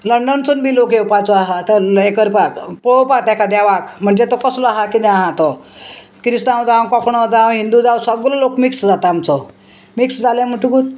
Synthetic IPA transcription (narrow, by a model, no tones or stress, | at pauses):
ləɳɖənt͡sunbiːlokjewpat͡sɔaɦat̪əekəɾpakpɭɔwpak̚t̪akad̪aʋakm̤əɳd͡zet̪ɔkɔslɔaɦakid̪ɛaɦãt̪ɔ | kɾist̪ãwd͡zawkɔkɳɔd͡zawɦind̪ud͡zawsəɡlɔlokmiksd͡zat̪aamt͡sɔ | miksd͡zalãm̤əɳʈukut̪